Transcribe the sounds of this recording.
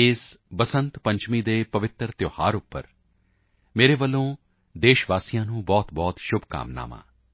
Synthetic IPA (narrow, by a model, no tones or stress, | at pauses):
ɪsbəsə̃nt̪pə̃ɲt͡ʃmiːd̪eːpəʋɪt̪əɾt̪joːhaːɾʊpːə̰ɾ | meːɾeːʋəlːõː | d̪eːʃʋaːsijãːnũːbɔːt̪bɔːt̪ʃʊbʱka̰ːmna̰ːmã̰ː